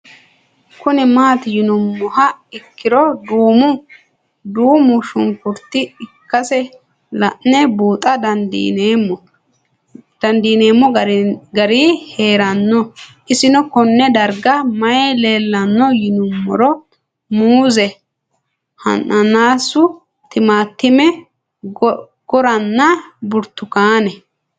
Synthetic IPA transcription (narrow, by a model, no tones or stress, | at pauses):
kʊnɛmaːt̪jɪnʊmːɔhɐɪkːɪɾɔd̪uːmʊ | d̪uːmʊʃʊŋkʊɾt̪ːɪɪkːɐsɛ | lɐʔnɛbuːt̪ʼɐd̪ɐnd̪ḭːneːmːɔ | d̪̥ɐnd̪iːne̞ːmːɔɡɐɾiːhe̞ːɾɐnːɔʔɪsɪnɔkɔnːɛd̪ɐɾɡɐmɐjɛle̞ːlːɐnːɔjɪnʊmːɔ̰ɾɔ | muːzɛ | hɐ̰nʔɐnaːsʊ | t̪ɪmaːt̪ːɪmɛ | ɡ̥ɔɾɐnːɐbʊɾt̪ːʊkaːnɛ